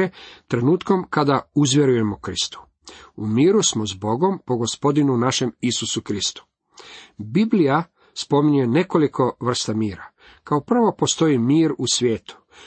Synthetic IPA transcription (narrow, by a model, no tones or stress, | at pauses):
et̪ɾe̞nuːt̪ko̞mkad̪auzʋʲje̞ɾuje̞mokɾist̪u̥ | umiːɾusmozbo̞ɡo̞mpo̞ɡospo̞d̪inunaʃe̞misusukɾist̪u̥ | biblija | spo̞miɲuje̞ne̞ko̞likʰo̞ʋr̩st̪amiːɾa | kaopr̩ʋo̞po̞st̪o̞imiːɾusʋje̞ːt̪u̥